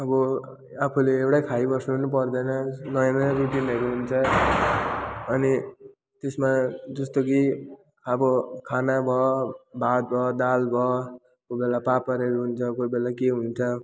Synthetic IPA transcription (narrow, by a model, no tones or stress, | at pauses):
ʌbʌ | apʰuleewɽajkʰaibʌsnunup̬ʌrd̪ʌnʌnʌjãnʌjaɾuʈinʌɾuɦunt͡sʰʌ | ʌni | t̪esmad͡zʌst̪oki | ʌbʌkʰanabʱʌbʱat̪̚bʱʌd̪albʱʌ | kobelapapʌɾeɾuɦunt͡sʰʌkobelakeɦunt͡sʰʌ